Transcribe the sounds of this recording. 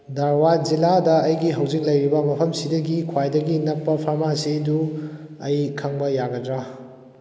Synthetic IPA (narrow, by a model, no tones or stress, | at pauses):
dɐɾwad͡ʒiladɐːjɡiɦɐwzik̚lɐjɾibɐmɐpʰɐmsidɐɡikʰwajdɐɡinɐk̚pɐpʰɐɾmasiduɐjkʰɐŋbɐjaɡɐdɾa